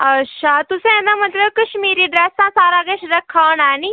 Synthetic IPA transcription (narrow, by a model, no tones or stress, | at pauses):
ɐʃʰat̪usẽɛ̃d̪amɐt̪ləbkɐʃmiːɾiɖɾɛːsãsaːɾaɡɐʃɾɐkʰːanaːni